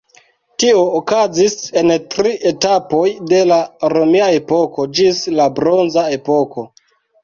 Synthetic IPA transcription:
tio̞ːkazise̞ntɾiʔetapo̞jde̞laɾomiae̞po̞ko̞d͡ʒislabɾo̞nzae̞po̞ko̞

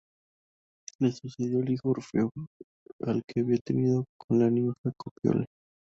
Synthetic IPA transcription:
lesuseðjoliɣoɾfeo | a̰lkeaβiat̪eniðokʰonlanimaxakopjo̰la

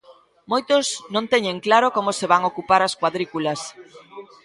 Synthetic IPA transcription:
mojt̪oznõnt̪ɛɲeŋklaɾokomoseβaŋokupaɾɐskwaðɾikulɐs

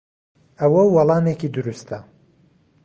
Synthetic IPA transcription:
ɐwɐwɐlˠɑːnekiːd̪ʊɾust̪ʰɐ

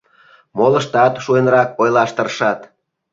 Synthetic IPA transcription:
molə̆ʃt̪ɑt̪ʃuenrɑk̚ojlɑʃt̪ə̆rʃɑt̪

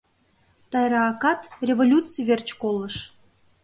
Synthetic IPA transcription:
t̪ɑjɾɑːkɑt̪rʲevolʲut͡sɨjvert͡ɕkolˠəʃ

